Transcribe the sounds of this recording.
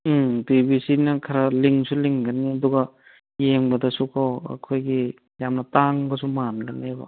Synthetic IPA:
tibisinɐkʰɐɾaliŋsuliŋɡaniɐduɡa | jeŋbɐdɐsukʰawɐ̰kʰojɡi | jamnɐtaŋbɐsumanɡanebɐ̰

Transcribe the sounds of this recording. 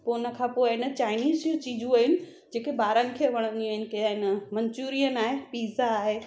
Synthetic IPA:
poːnə̆kʰãːpoːɪɪnət͡ɕaːɪniːzjũt͡ɕiːd͡ʑũaːɦɪnɪ̆ | d͡ʑeːkebaːɾənɪ̆kʰeːʋɐɽ̃ə̃nd̪iaːɦɪnɪ̆kɐjaɦɪnəmɐ̃ɲt͡ɕuːɾijənaːɦepiːzaːɦe

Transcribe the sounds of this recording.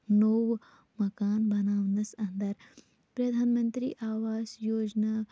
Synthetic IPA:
noʋ | mɐkaːnbɐnaːʋnɐsɐ̃nd̪ɐɾ | pɾɐd̪ʱaːnmɐnt̪ɾḭːʔaːʋaːzjoːd͡ʒnaː

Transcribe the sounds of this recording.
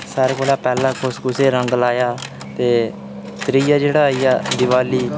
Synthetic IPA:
saːɾeːkoːlaːpɛːlãːkʰʊsɡʊseːɾə̃ŋɡlaːjaː | t̪eː | t̪ɾiːjaːd͡ʒeːɽaːiːjaːd̪ɪʋaːliː

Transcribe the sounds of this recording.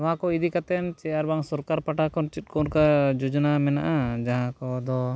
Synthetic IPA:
ʋaɦãkɔid̪ikat̪ɛnt͡ʃɛjaɾbaŋsɔɾkaɾpaʈakɔnt͡ʃit̪̚kɔnkad͡ʒud͡ʒnamɛnaʔad͡ʒaɦãkɔd̪ɔ

